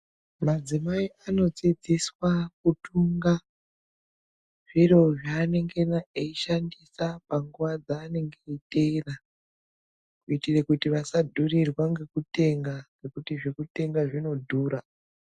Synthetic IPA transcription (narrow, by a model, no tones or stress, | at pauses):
mad͡zimaiʔano̞t͡sed͡zeswakutuŋɡa | ʐ̥iro̞ʐaːne̞ŋɡe̞naeiʃandisapaŋɡuʋad͡zaːne̞ŋɡeitera | kuitirekutiʋasadʱurirwaŋɡe̞kute̞ŋɡaŋɡe̞kutiʐekute̞ŋɡaʐino̞dʱuːɾa